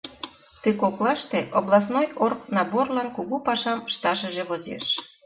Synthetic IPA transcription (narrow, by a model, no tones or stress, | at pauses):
t̪əkoklɑʃt̪eʔoβlɑs̬nojorknɑborlɑnkuɣupɑʃɑmʃt̪ɑʃə̆ʒeβozḛʃ